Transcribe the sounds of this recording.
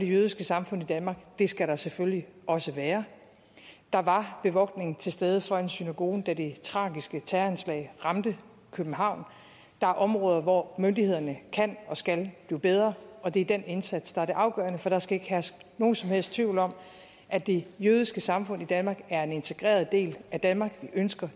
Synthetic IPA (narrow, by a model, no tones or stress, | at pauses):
ɒd̥e̝jøð̞ˠisɡ̥əsɑ̈mfɔ̽n̰id̥ænmɑ̈ːɡ̥d̥e̝sɡ̥æɾɑ̈sefølliʔɒ̽səʋæːɐ | d̥ɑ̈ʋɑ̈b̥e̝ʋɒ̽ɡ̥ne̝ŋ̩t͡sʰe̝lsd̥eð̞ˠəfɒ̽e̝nsynæɡ̥o̝̰ːd̥æd̥e̝t͡sʰʁɑ̰̈ːɡ̥isɡ̥ət͡sʰæɐænslɛ̰ɪʁɑ̈md̥ə | kʰøb̥n̩ɦɑ̈ʊ̰n | d̥ɑ̈æɐʔɒ̽mʁɔ̽ːð̞ˠɐʋɒmønd̥ihe̝ð̞̰ˠɐnəkʰæn̰ɒ̽sɡ̥ælb̥lḭːb̥eð̞ˠʁɐɒ̽d̥e̝d̥ene̝nsæd̥sd̥ɑ̈æɐɾe̝ʔɑ̈ʊɡ̥ɶ̰ɐnəfɒ̽ɾ̥ɑ̈sɡ̥æe̝ɡ̥ɦæsno̝ːn̩sɒ̽mhel̰st͡sʰʋiʊ̰lɒ̽m̰ | ʔæd̥e̝jøð̞ˠisɡ̥əsɑ̈mfɔ̽n̰id̥ænmɑ̈ːɡ̥æɐe̝ne̝nt͡sʰe̝ɡ̥ʁɛ̰ːɐð̞̩ˠd̥e̝̰ːlæd̥ænmɑ̈ːɡ̥ʋiʔønsɡ̥ɐ